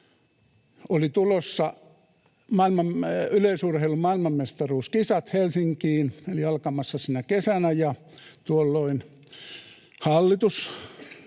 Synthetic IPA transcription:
olit̪ulosːɑ | mɑilmɑmyleisurheilumɑilmɑmmest̪ɑruːskisɑt̪helsiŋkiːnoliɑlkɑmɑsːɑsiːnækesænæjɑ | t̪uolːoin | hɑlːit̪us

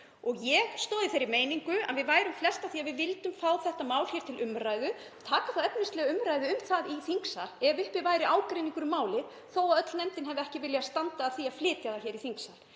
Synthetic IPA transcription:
ɔɣjɛɣst̪oːðɪθejɾɪmeːjniŋkʏa̰ðvɪðvaːjɾʏmflɛst̪aθiːaðvɪðvɪlt̪ʏmfaːwθɛht̪amaːwl̥çjɛɾt̪ʰɪlʔʏmɾaːjðʏ | aðt̪ʰaːkaθawɛp̚nɪst̪ɛɣʏmɾajðʏʏmθaðiθiŋksalɛvʏlpɪvaːjɾɪʔaːwkɾeːjniŋkʏɾʏmaːwlɪ | θoːwaðœt̪lnɛmt̪ɪnɦɛvɛhcɪvɪljast̪ant̪aːθiaðflɪːt̪jaðaçɛːɾiθiŋksal

